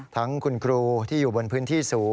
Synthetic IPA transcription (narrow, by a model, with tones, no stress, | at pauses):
t̪ʰa˦˥ŋkʰu˧nkʰɾuː˧t̪ʰiː˥˩juː˨˩bo˧npʰɯː˦˥nt̪ʰiː˥˩suː˩˦